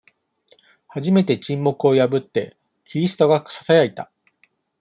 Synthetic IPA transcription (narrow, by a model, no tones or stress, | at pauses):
haʑime̞t̪e̞t͡ɕĩmːo̞kɯ̟o̞jabɯ̟t̪ːe̞̰ | kʲiɾʲisɨ̥t̪o̞ɡaksḁsajait̪a